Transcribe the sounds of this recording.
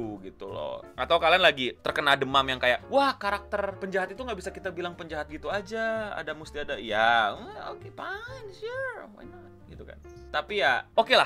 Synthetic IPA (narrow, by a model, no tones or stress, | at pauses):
ɡit̪ulɔ̰ʔat̪awkalianlaɡit̪ərkənadəmamjaŋkajaʔwahkaɾak̚t̪ərpəɲd͡ʒaɦat̪it̪uŋɡabisakit̪abilaŋpəɲd͡ʒaɦat̪̚ɡit̪uad͡ʒaa̰damust̪iadajao̰kepanuwa̰jnɔt̪̚ɡit̪uka̰n | t̪apijaokela